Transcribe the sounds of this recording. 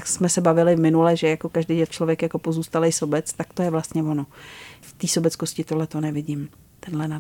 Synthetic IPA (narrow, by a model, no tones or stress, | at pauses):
aksmɛsɛbavɪlɪvmɪnulɛʒɛjako̞kaʒdejɛt͡ʃlovjɛkjako̞po̞zuːst̪alɛjsobɛt͡st̪akt̪ojɛvlast̪ɲɛvo̞noft̪iːsobɛt͡skoscɪt̪odlɛt̪o̞nɛvɪɟɪm | t̪ɛnɦlɛna